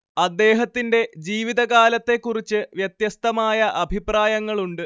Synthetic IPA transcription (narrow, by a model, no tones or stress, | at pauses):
ɐd̪ːe̞ːɦɐt̪ːinde̞d͡ʑiːʋiðɐɣaːlɐt̪ːe̞kːurit͡ɕːɨʋjɐt̪jɐst̪ɐmaːjɐʔɐbʱipraːjɐŋːɐɭuɳɖɨ